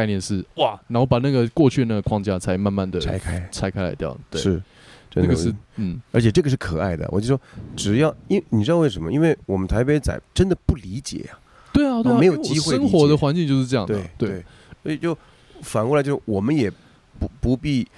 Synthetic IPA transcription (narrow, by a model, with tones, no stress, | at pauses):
ɪnjɛ˥˧nʂɻ̩˥˩wa˥˩na˧˥nxo˥˩ʊpa˨˩na˥˩ɡə˩kwɔ˥˧t͡ɕʰy˥˧na˥˩ɡə˩kʰwɑ˥ŋt͡ɕja˥t͡sʰa˧˥ɪma˥˧nma˥˩nd̪ə˩a̰˥ɪkʰa˥t͡sʰa˥ɪkʰa˥ɪla̰˧˥ɪt̪jɑ̰˥˨˩ʊt̪we˥ʂʂɻ̩˥˩ | ʈ͡ʂə˥˩˥ɡə˨ʂɻ̩˥˩nn̩˥˩ə˞˧˥t͡ɕʰjɛ˩ʈ͡ʂɤ˥˩ɡə˩ʂɻ̩˥˩kʰɤ˨˩a˥˩ɪd̪ə̰˩wɔ̰˨˩t͡ɕo˥˧˩ʂɔ˥ʈ͡ʂɻ̩˨˩jɑ˥˩ʊi˥nni˨˩ʈ͡ʂɻ̩˥dɑ˥˧wʂə˧˥nmə̰˧i˥nwe˥˩ɪwɔ˨˩mə˦nt̪ʰa˧˥ɪpe˧˥ɪt͡sa̰˨˩ɪʈ͡ʂə˥nd̪ə˨pu˥˩li˧˥t͡ɕjɛ̰˨˩˦ɐ˨ | t̪we˥˩ɪa˨t̪we˥˧ɪjo˨˩t͡ɕi˥xwe˥˧ə˥ŋxwɔ˧˥d̪ə˧xwa˧˦nt͡ɕi˥˧t͡ɕo˥˧ʊʂɻ̩˥˧ʈ͡ʂɤ˥˧jɑ˥˩ŋt̪ed̪ɪt̪we˥˩e˥˩ | so˧˥ɕɛ˨˩t͡ɕo˥˩ʊ | fa˨˩nkwɔ˧˩lt͡ɕo˥˧˥wɔ˨˩mə˦njɛ˨˩ | pu˧˥pu˧˥pi˥˩